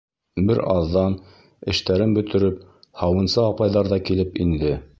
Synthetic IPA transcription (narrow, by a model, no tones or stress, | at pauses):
bɘɾɑðːɑn | ɘ̆ʃt̪æɾɘnbɵ̆t̪ɘ̆ɾɘp̚ | hɑwɤ̆nsɤɑpɑjðɑɾðɑkilɘpind̪ɘ